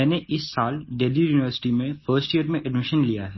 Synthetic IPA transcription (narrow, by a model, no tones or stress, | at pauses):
ɛːneʔɪsːaːlɖeːlijuːnɪʋəɾsɪ̥ʈimẽfəːsʈijəɾmẽʔɛɖmɪʃənlijaɦɛː